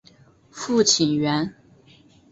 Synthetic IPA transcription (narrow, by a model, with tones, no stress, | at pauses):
fu˥˩t͡ɕʰi˨˩nɥɛ˧˥n